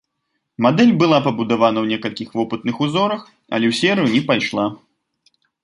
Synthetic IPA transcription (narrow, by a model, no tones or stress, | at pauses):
mad̪ɛlʲbɨlˠapɐbud̪avanɐwnʲɛkɐlʲkʲixvɔpɨt̪nɨxuzɔɾɐx | ɐ̰lʲɛwsʲɛɾɨjunʲɛpajʂlˠa